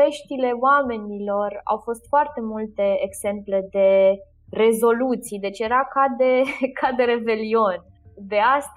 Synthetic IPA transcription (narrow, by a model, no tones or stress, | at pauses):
e̞ʃt̪ile̞oame̞nilo̞ra̰wfo̞st̪foart̪e̞mult̪e̞eɡz̥e̞mple̞d̪e̞ | re̞zo̞lut̪sijd̪e̞t͡ʃje̞ɾakad̪e̞kʰad̪e̞ɾe̞be̞lio̞nʲ | d̪e̞ast̪